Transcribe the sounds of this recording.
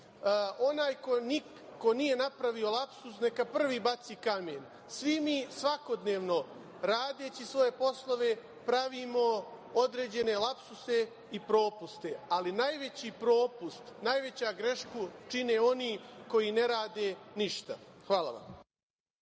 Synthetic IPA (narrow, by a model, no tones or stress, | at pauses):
ʔo̞naːjkoni | ko̞nije̞napɾaʋio̞lˠapsusne̞kapr̩ʋiːbat̪siːkameːn | sʋimiːsʋako̞d̪neːʋno̞ | ɾaːd̪e̞ːt͡ɕisʋo̞je̞po̞slˠo̞ʋe̞ | pɾaʋiːmo̞ | od̪ɾeːd͡ʑe̞ne̞lˠapsuse̞ | ipɾo̞ːpust̪ealinajʋe̞t͡ɕipɾo̞ːpust̪najʋe̞t͡ɕaːɡɾe̞ʃkut͡ʃine̞ːo̞niːko̞jiːne̞ɾaːd̪eːniʃt̪a̰xʋaːlˠa̰ʋa̰m